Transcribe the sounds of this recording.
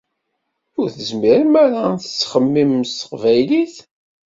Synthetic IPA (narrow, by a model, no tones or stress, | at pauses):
ʊɾθəzmiɾəmæɾaθə̥t͡sːχəmːimst̪ə̥qvæjliθ